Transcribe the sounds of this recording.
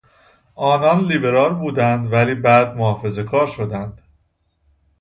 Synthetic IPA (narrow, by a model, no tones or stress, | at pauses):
ʔɒːnɒnliːbe̞ɾɒːlbuːd̪ænd̪væliːbæːd̪mohɒːfe̞ze̞kʰɒːɾʃo̞d̪ænd̪̥